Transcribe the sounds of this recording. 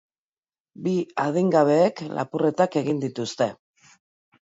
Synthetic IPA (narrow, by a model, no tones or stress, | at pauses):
biað̞iŋɡaβ̞e̞ːklʔa̰pure̞t̪ake̞ɣind̪it̪ust̪e̞